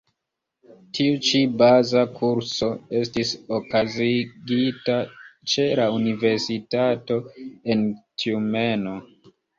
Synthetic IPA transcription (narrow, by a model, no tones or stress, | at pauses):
tʰiut͡ʃibazakʰuɾso̞e̞stisokaziɡitat͡ʃe̞launive̞ɾsitato̞e̞ntʰiume̞no̞